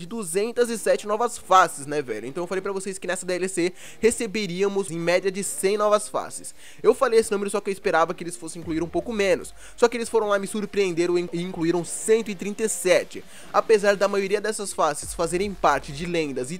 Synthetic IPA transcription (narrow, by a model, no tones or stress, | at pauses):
d͡ʒɪd̪uzẽnt̪ɐzɪsɛt͡ʃɪnɔvɐsfasɪsnɛvɛ̰ʎʊẽt̪ɐ̃w̃ewfalejp̬ɾɐvoseskɪnɛsɐd̪eɛlɪse | hesebeɾiɐmʊzẽj̃mɛd͡ʒiɐd͡ʒɪsẽj̃nɔvɐsfa̰sɪ̥s | ewfalejesɪnũmeɾʊsɔkɪewɪspeɾavɐkɪelɪsfosɪ̃ĩŋkluiɾũpowkʊmẽnʊ̰sː | ɔkɪelɪsfoɾɐ̃w̃lamɪsuɾpɾiẽnd̪eɾʊ̃ɪĩŋkluiɾɐ̃w̃sẽnt̪ʊɪt̪ɾĩnt̪ɐsɛt͡ʃɪ | apezaɾd̪ɐmajoɾiɐd̪ɛsɐsfasɪ̥sfazeɾẽj̃paɾt͡ʃɪd͡ʒɪlẽnd̪ɐzɪ